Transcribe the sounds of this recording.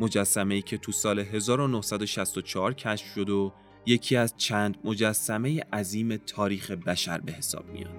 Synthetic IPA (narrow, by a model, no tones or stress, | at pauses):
mo̞d͡ʒæsːæme̞iːcʰe̞t̪ʰusɒːle̞ɦe̞zɒːɾonohsæd̪o̞ʃæst̪o̞t͡ʃʰɒːɾcʰæʃfʃo̞d̪o | je̞cʰiːæzt͡ʃʰæːnd̪mo̞d͡ʒæsːæme̞jeʔæziːme̞t̪ʰɒːɾiːxe̞bæʃæɾbe̞he̞sɒ̰ːb̥̚mḭjɒ̰ːd̪̥